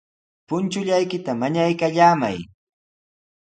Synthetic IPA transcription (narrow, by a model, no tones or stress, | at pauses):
pʊnt͡ʃʊʎajkɪt̪amaɲajkaʎaːma̰j